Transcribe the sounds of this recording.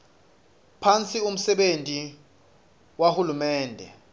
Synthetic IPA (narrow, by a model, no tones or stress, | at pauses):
pʰant͡sʼium̩sɛɓentʼi | wahulumɛːndʱɛ̰